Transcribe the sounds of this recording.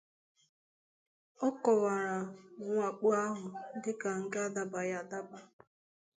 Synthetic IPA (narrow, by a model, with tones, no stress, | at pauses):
ɔ˦kɔ˨wa˨ɾa˨ŋʷa˨k͡pu˦a˦ɦʊ˨dɪ˦ka˨ŋ̩˦ka˦da˦ba˨ja˨da˦ba˦